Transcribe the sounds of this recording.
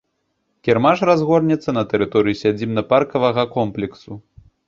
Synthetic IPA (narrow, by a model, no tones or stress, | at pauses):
kʲɛrmaʂrazɣɔrnʲɛt̪sːɐnɐt̪ɛɾɨt̪ɔɾɨjisʲad͡zʲimnɐparkɐvɐɣɐkɔmplʲɛksu